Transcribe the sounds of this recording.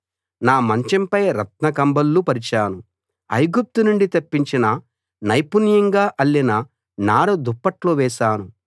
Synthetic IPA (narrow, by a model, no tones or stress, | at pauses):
naːmɐɲt͡ʃɐmpɐjɾɐt̪̚nɐkɐmbɐlːupɐɾit͡ʃaːnu | ɐ̰jɡup̚t̪unuɳɖit̪ɐpːiɲt͡ʃinɐ | nɐjpunjɐŋɡaːʔɐlːinɐ | naːɾɐd̪upːɐʈloːʋɛːʃaːnu